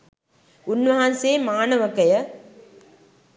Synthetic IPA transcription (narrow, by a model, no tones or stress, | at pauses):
unʋɐɦɐnseːmaːnɐʋɐkɐjə